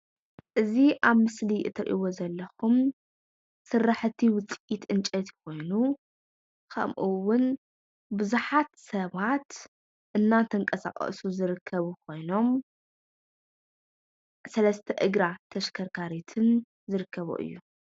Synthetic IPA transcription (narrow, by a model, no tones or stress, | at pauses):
ʔɨziʔaβmɨsliʔɨ̰t̪ʰɐɾʔḭwo̞zɐlːɐxum | sɨrːaħt̪ʰiwʊt͡sʼʔit̪ɨnt͡ʃʼɐt̪ʰi̥kʰo̞jnu | kʰɐ̰mʔuwʊn | bɨzuħat̪sɐβat̪ | ʔɨnːat̪ʰɐŋkʼɐsa̰χʼɐ̰ʔsuzɨɾɨkʰːɐβukʰo̞jno̞m | sɐlɐst̪ʰɐʔɨɡɾat̪ʰɐʃkʰɐɾkʰaɾit̪ʰɨn | zɨɾɨkʰːɐβṵʔɨ̰jːu